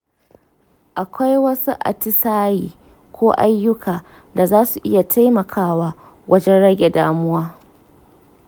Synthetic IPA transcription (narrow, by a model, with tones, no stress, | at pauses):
ʔa˨kʷa˦jwɐ˦su˦ʔa̰˨tɪ˦saː˦jiː˨ | kʷoː˦ʔa̰˦jːʊ˦kʰaː˨ | da˨zaː˦su˨ʔɪ˦ja˨tʰa˦jmɐ˨kʰaː˦waː˦ | wʔɐ˦d͡ʒɛ˦nɽɐ˦ɡʲe˨da̰ː˦mʊ˦waː˦